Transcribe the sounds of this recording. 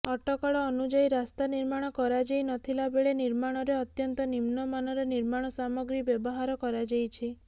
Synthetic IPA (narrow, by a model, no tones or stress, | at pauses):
ɔʈɔkɔɭɔːnud͡ʒɔjɾast̪aniɾmaɽ̃ɔkɔɾad͡ʒejnɔt̪ʰilabeɭeniɾmaɽ̃ɔɾeɔt̪jɔnt̪ɔnimnɔmanɔɾeniɾmaɽ̃ɔsamɔɡɾibjɔbɔɦaɾɔkɔɾad͡ʒejt͡ʃʰi